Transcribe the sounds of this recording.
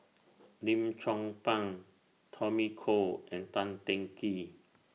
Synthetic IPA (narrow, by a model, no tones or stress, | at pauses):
nĩmt͡ʃʰɔŋpãŋ | t̪ʰɔmikʰoʔɛ̃nt̪ãnt̪ɛ̃ŋki